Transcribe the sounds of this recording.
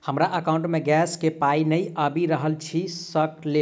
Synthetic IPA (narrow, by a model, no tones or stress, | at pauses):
həmɾaʔəkaũɳʈmeɡɛskepainəjabiɾəɦəlt͡ʃʰisəkle